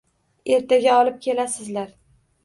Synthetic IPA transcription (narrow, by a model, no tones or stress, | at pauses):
e̞ɾt̪ʰaɡʲaɒlɪp̚kʲʰe̞lasɪzlaɾ